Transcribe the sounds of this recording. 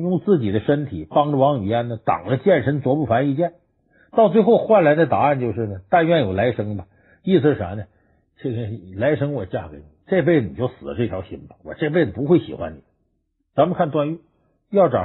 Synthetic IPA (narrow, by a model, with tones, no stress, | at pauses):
jʊ˥˩ŋt͡sɹ̩˥˩t͡ɕi˨˩d̪ə˦ʂə˥nt̪ʰḭ˨˩˦pɑ˥ŋʈ͡ʂə˨˩wɑ˧˥ŋy̰˨˩ja˥nnə˧t̪ɑ̰˨˩ŋlə˦t͡ɕjɛ˥˩nʂə˧˥nt͡swɔ˧˥pu˥˩fa˧˥ni˧˥˧t͡ɕjɛ˥˩n | t̪ɑ˥˧ʊt͡swe˥˧ɪxo˥˧ʊxwa˥˩nla˧˥ɪd̪ə˧t̪a˨˩a˥˧nt͡ɕjo˥˧ʊʂɻ̩˥˩nə˩t̪a˥˧nɥɛ˥˩njo˨˩ʊla˧˥ɪʂɤ˥ŋbɐ˨ | i˥˩sɹ̩˧ʂɻ̩˥˩a̰˧˥nə˨˩ | ʈ͡ʂe˥˩ɡə˩˨˩la˧˥ɪʂɤ˥ŋwɔ˨˩t͡ɕja̰˥˩ke˧˥ɪni˨˩˦ʈ͡ʂe˥˧p̬e˥˩ɪdə˩nḭ˨˩jo˥˩ʊsɹ̩˨˩lə˦ʈ͡ʂɤ˥˩t̪ʰjʊɕḭ˧˥ŋbɑ˧˩wɔ̰˨˩ʈ͡ʂpe˥˩d̪ə˩pu˧˥xwe˥˩ɪɕḭ˨˩xwa̰˦˥nni˨˩˦ | t͡sa˧˥mə˧kʰa˥˧nt̪wa˥˧ny˥˩ | jɑ˥˩ʊʈ͡ʂɑ˨˩